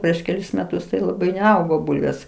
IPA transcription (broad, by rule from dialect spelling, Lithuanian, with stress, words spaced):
ˈpʲrʲiɛʃ kʲɛˈlʲɪs mʲɛˈtʊs tɐɪ lˠɐˈbɐɪ nʲɛˈɐʊɡoː ˈbʊlʲʋʲeːs